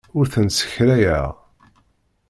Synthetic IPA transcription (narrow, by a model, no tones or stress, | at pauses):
ʊɾθənsə̥çɾæjæʁ